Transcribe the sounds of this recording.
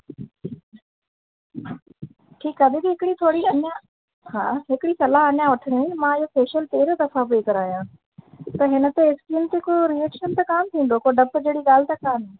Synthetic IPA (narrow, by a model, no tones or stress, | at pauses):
ʈʰiːkaːb̪ibiɦɪkɽiːt̪ʰoːɽiːənja | hãːɦɪkɽiːsɐlaːɦənjãːʋʊʈʰəɽiimãːjoːpeːʃəlt̪eːɾd̪ɐfʰapeːkəɾaːjãː | t̪ɐɦɪnət̪eɪskiːnt̪ekoːɾieːkʃənt̪akaːmt̪ʰĩːnd̪oːkoːɖəpd͡ʒeːɽiːɡaːlt̪akaːmː